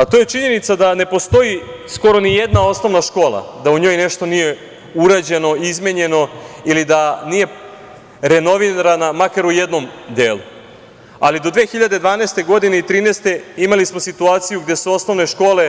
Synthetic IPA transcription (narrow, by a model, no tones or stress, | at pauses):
at̪oje̞t͡ʃiɲe̞nit̪sad̪ane̞po̞st̪o̞isko̞ɾo̞nijed̪nao̞sno̞ʋnaʃko̞ːlˠa̰d̪auɲo̞ːjneʃt̪o̞nije̞ | uɾaːd͡ʑe̞no̞izmʲeɲe̞no̞ilid̪anije̞ | ɾe̞no̞ʋinaɾanamakaɾujed̪no̞md̪eːlṵ | a̰lid̪o̞d̪ʋe̞ːxiʎad̪e̞d̪ʋaːneːst̪e̞ɡo̞d̪ine̞it̪ɾiːnest̪e̞imalismo̞sit̪uaːt̪sijuɡd̪esuo̞sno̞ʋne̞ʃko̞ːle̞